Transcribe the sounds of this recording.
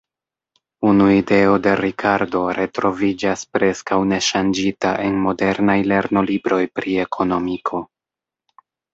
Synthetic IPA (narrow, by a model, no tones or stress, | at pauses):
unuide̞o̞de̞ɾikʰaɾdo̞ɾe̞tɾo̞vid͡ʒaspɾe̞skawne̞ʃand͡ʒita̰ʔe̞nmo̞de̞ɾnajle̞ɾno̞libɾo̞jpɾie̞kʰo̞no̞mikʰo̞